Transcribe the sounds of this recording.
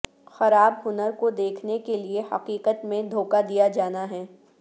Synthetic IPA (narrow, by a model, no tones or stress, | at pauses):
xɐɾaːbɦʊnəɾkod̪eːkʰnekeliehɐ̰qiːqət̪mẽd̪ʱoːkad̪ijad͡ʒaːnaɦɛː